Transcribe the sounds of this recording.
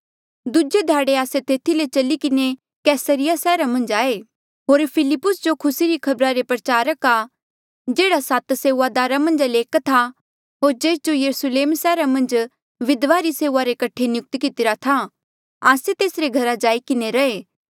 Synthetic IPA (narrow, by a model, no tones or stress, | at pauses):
d̪ʊd͡ʒed̪ʱaːɽeaːset̪eːt̪ʰilet͡ʃɐlikɪne | kɛːsəɾɪjasɛːɾamɐ̃nd͡ʒaːe | ɦoːɾpʰɪlɪpːʊsd͡ʒokʰʊsiɾikʰɐbɾaɾepɾət͡ʃaːɾəka | d͡ʒeːɽasat̪seːad̪aːɾamɐ̃nd͡ʒleːkt̪ʰa | ɦoːɾd͡ʒeːsd͡ʒojɐɾusleːmsɛːɾamɐ̃nd͡ʒ | ʋɪd̪ʋaɾiseːʊaɾekɐʈʰenjʊk̚t̪kɪt̪ɪɾat̪ʰa | aːset̪eːsɾeɡʱɐɾad͡ʒaːikɪneɾɐeː